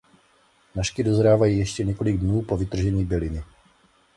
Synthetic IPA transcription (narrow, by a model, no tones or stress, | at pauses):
naʃkɪdozɾaːvajiːjɛʃcɛɲɛko̞lɪɡ̚dnuːpovɪt̪r̩ʒɛɲiːbɛlɪnɪ